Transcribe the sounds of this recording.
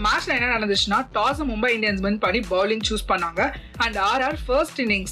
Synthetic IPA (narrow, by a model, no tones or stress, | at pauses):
maːt͡ʃɐ̃ɛnːɐnɐɽɐnd̪ɯt͡ʃːnaːʈ̪aːs̬ɐ̃mʊmbɐɪɳɖɪjɐnsmɐnpɐɳːibɐːlɪ̃ŋt͡ʃuːspɐɳːaːŋɡɐ | ɐ̃ɳɖaːɾaːɾfɐɾsʈɪnːɪ̃ŋs